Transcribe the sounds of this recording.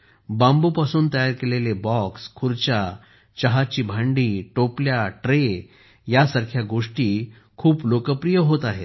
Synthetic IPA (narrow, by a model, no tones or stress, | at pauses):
bãmbupasuːnt̪əjaɾkelelebɔkskʰuɾt͡ɕa | t͡ɕəɦat͡ɕiːbʱãɳɖiːʈopljaʈɾe | jasəɾkʰjaɡoʂʈiː | kʰuːplokəpɾijəɦot̪aɦet̪